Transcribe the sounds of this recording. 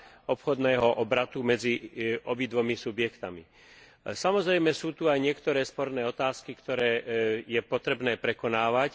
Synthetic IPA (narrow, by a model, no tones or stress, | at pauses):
ɔpxɔd̪nɛːɦɔʔɔbɾat̪umɛd͡ziʔɔbid̪ʋɔmisubɪjɛkt̪ami | samɔzɾɛjmɛsuːt̪uajɲɪɛkt̪ɔɾɛːspɔɾnɛːɔt̪aːskikt̪ɔɾɛːjɛpɔt̪ɾɛbnɛːpɾɛkɔnaːʋac